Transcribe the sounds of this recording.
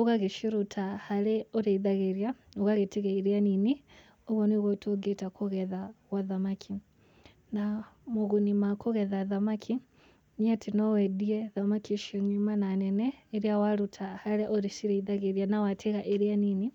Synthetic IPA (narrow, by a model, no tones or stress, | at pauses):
oɣaɣeʃiɾutʰahaɾɛɔɾeiðaɣeɾjaoɣaɣetiɣɛiɾianini | oɣɔniɣɔtʰoɡetakʰoɣɛðaɣwaðamakʰi | namoɣunimakoɣɛðaðamakʰi | niatinɔwɛdiɛðamakiʃiɔɲumananɛnɛeɾiawaɾutʰahaɾɛʔɔɾeʃiɾeiðaɣeɾianawatʰeɣaʔeɾianini